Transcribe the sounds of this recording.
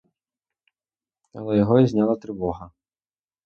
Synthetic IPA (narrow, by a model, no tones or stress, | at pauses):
ɐ̰lˠɛjɔɦɔizʲnʲɑlˠɐt̪ɾɪʋɔɦɐ